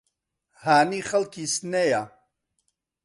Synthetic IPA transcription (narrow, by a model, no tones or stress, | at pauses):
haːniːχɐlkʰisneja